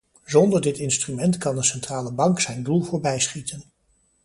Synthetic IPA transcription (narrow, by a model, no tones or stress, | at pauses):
zɔndəɹdɪtɪnstrymɛntkɑndəsɛntraːləbɑŋksɛjndulˠvʊːɹbɛjsχitʰən